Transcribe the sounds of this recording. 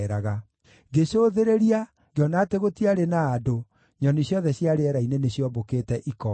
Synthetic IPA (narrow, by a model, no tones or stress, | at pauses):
ɾaɣa | ɡeɕoðeɾeɾia | ɡeɔnaːteɣotiaɾenaːdo | ɲɔnisjɔðɛɕjaɾeɛɾaineneɕjɔbokeːtɛʔikɔ